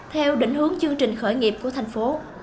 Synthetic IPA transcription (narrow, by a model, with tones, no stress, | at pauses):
t̪ʰɛ˧wɗḭ̈˧˩ŋ̟hɨ˨˦əŋt͡ɕɨ˧əŋt͡ɕï˨˩ŋ̟xəː˧˩jŋi˨˩əp̚ku˧˩ət̪ʰa˨˩jŋ̟fo˨˦